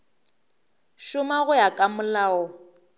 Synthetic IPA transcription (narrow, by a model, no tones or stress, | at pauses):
ʃʊmaɣʊjakʼamʊlaːɔ